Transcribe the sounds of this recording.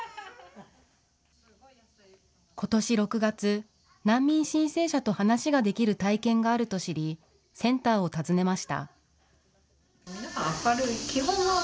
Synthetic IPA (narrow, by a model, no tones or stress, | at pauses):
ko̞t̪o̞ɕiɾo̞kɯ̟ɡat͡sɨ | nãmːʲĩɰ̃ɕĩɰ̃se̞ːɕat̪o̞hanaɕiɡad̪e̞kʲiɾɯ̟t̪aikẽ̞ŋɡaːɾɯ̟t̪o̞ɕiɾʲi | sẽ̞nt̪aːo̞t̪azɨne̞maɕi̥t̪a̰ | aɾɯ̟ikʲiɦõn